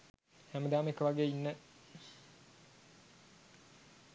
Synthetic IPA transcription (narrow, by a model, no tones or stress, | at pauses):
hæməd̪aːmekəʋaɡeːinːə